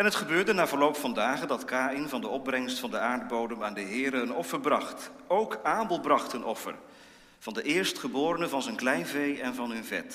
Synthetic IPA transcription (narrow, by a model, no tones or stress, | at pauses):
ɛnɦətχəbøːɹdənaːvəɹlowpfɑndaːχəndɑtkaːɪnvɑndəɔb̚brɛŋstfɑndəaːɹd̚bowdəmaːndəɦɪːɾəːnɔfəɹbrɑχtowkaːbəlˠbrɑχtənʔɔfə̰r | v̥ɑndəʔɪːɹstχəbʊːɾənəvɑnzənklɛjnvejɛnvɑnɦɵnvɛ̰t